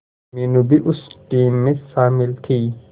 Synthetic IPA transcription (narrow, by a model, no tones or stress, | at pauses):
minʊbɪʔʊsd̪iːmːɛsaːmɪlt̪ʰiː